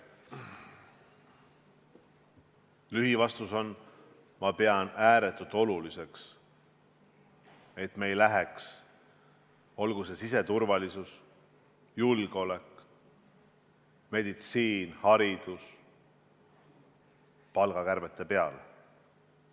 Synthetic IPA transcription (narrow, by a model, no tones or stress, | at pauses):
lyɦivɑst̪uso̞n | mɑpe̞ɑnæːɾe̞t̪ːˑut̪ːo̞lulise̞ks | e̞t̪me̞jlæɦeks | o̞lɡ̥use̞sise̞t̪urvɑlisus | julɡ̥o̞lek | me̞d̪̥it̪siːnhɑɾid̪̥us | pɑlɡ̥ɑkærbe̞t̪ːe̞pe̞ɑl